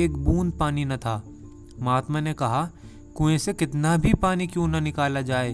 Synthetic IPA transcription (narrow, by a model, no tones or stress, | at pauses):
eːkbũːnd̪̚paːninɐt̪ʰaː | maːt̪manekɐɦa | kʊẽsekɪt̪nabʱipaːnikjõːnɐnɪkaːlad͡ʒaːeː